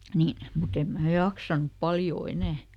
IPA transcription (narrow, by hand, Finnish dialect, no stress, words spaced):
niːn mut em mæː jɑksɑnup pɑljoː enæˑ